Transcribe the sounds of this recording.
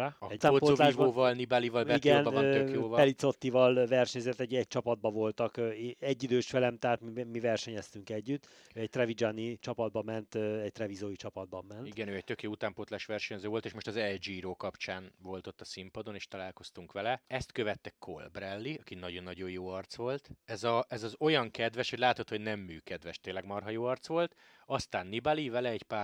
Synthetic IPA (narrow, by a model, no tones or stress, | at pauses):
ɒɛaːpoːolaːʒvboːvɒlnibalivɒlbɛiɡɛnbɒnøt̪økjoːvpɛlit̪so̞t̪ːivɒlvɛrʃɛɲzɛt̪ːɛɟɛc̚t͡ʃɒpɒd̪̚bɒvo̞lt̪ɒkːɛɟːid̪øːʃfɛlɛmt̪aːt̪mimivɛrʃɛɲɛst̪yŋkɛɟːyt̪ː | øːɛc̚t̪rɛvid͡ʒanit͡ʃɒpɒd̪̚bɒmɛnt̪ɛɟ̚t̪rɛvizoːjit͡ʃɒpɒd̪̚bɒmːɛntiɡɛnøːɛct̪ø̞kjoːut̪aːmpoːt̪laːʃʋɛrʃɛɲzøːvo̞lt̪eːʃmo̞ʃt̪ɒzɛld͡ʒiɾoːkɒpt͡ʃaːnvo̞lt̪o̞t̪ːɒsimpɒd̪o̞neːʃt̪ɒlaːlko̞st̪uŋkʋɛlɛɛst̪kø̞vɛt̪ːɛkʰo̰lbrɛlːiɒkinɒɟo̞nːɒɟo̞jjoːɒrt̪sʋo̞lt̪ɛzɒɛzɒzo̞jɒŋkɛd̪vɛʃhoɟʲlaːt̪o̞t̪ho̞ɟnɛmːyːkɛd̪vɛʃt̪eːnlɛɡmɒrɦɒjoːɒrt̪sʋo̞lt̪ | ɒst̪aːnːibalivɛlɛːcpaː